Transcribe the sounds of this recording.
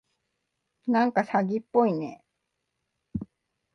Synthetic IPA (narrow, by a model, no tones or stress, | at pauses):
nãŋkasaɡʲipːo̞inḛ